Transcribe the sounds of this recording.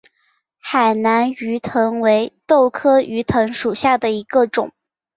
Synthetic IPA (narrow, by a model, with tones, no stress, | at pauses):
xa˨˩ɪna˧˥ny˧˥t̪ʰɤ˧˥ŋwe˧˥ɪt̪o˥˩ʊkʰɤ˥y˧˥t̪ʰɤ˧˥ŋʂu˨˩ɕja˥˩d̪ə˩i˧˥ɡə˧ʈ͡ʂʊ˨˩˦ŋ